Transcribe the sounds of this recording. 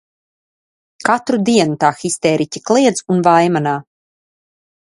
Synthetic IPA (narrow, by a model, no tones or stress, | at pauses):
kat̪ɾud̪iɛnut̪aːxist̪ɛːɾʔicʲiklˠiɛd̪zunvajmanaː